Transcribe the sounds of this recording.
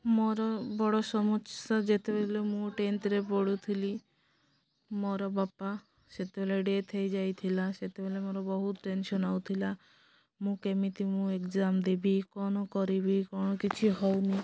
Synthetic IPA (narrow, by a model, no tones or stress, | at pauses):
moɾɔbɔɽɔsɔmɔt͡ʃːad͡ʒet̪ebelemũʈenʈɾepoɽut̪ʰili | mɔɾɔbapa | set̪ebeleɖet̪ʰejd͡ʒajt̪ʰilaset̪ebelemoɾɔbɔɦut̪ʈensɔnawt̪ʰila | mũkemit̪imũekd͡ʒamd̪ebikɔnɔkɔɾibikɔnɔkit͡ʃʰiɦɔwni